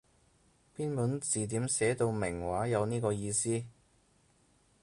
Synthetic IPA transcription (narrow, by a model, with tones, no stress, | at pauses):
piː˥npuː˨˥nt͡siː˨t̪̬iː˨˥msɛː˨˥t̪o˧wmɪ˨˩ŋwaː˨˥jɐ˨˧wniː˥kɔː˧jiː˧siː˥